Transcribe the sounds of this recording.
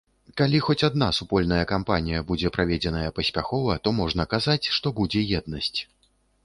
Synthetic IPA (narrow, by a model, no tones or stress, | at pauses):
kalʲixɔt͡sʲad̪̚nasupɔlʲnɐjɐkampanʲijɐbud͡zʲɛpɾʔavʲɛd͡zʲɛnɐjɐpɐsʲpʲaxɔvɐt̪ɔmɔʐnɐkazat͡sʲʂt̪ɔbud͡zʲɛjɛd̪̚nɐsʲt͡sʲ